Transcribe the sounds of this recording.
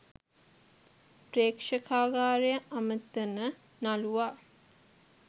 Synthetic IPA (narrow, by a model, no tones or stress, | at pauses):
preːkʂəkaːɡaːɾejəʔamət̪ːənə | naluʋaː